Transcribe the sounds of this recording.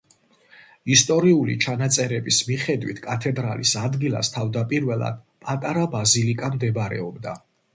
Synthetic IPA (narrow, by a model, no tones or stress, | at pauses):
ist̪ʼɔɾiulḭt͡ʃʰanat̪sʼɛɾɛbismiχɛd̪wḭt̪ʰkʼat̪ʰɛd̪ɾa̰lḭsad̪ɡilˠa̰st̪ʰavd̪apʼiɾvɛlˠa̰d̪̥̚ | pʼat̪ʼaɾabazilikʼamd̪ɛbɾɛ̰ɔbd̪a